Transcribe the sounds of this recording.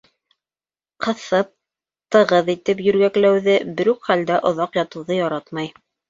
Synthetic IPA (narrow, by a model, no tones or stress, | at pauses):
qɤ̆θɤp̚ | t̪ɤ̆ʁɤðit̪ɘp̬jɵ̆ɾɡæklæwðɘbɘɾʉkχæld̪æʔŏðɑqjɑt̪ɤ̆wðɤjɑɾɑt̪mɑj